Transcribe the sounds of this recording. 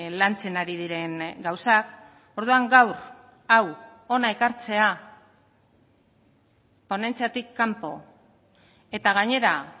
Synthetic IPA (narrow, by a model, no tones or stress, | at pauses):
lant͡se̞naɾið̞iɾe̞ŋɡawsak | o̞ɾðuaŋɡawɾ | awo̞naekaɾt͡se̞a | po̞ne̞nt͡siat̪ikːampo̞ | e̞t̪aɣ̞aɲe̞ɾa